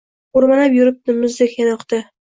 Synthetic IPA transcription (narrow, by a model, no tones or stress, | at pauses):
oɾmalapjʊɾɪp̚t̪ɪmɪzd̪ekʲjanaɒqt̪a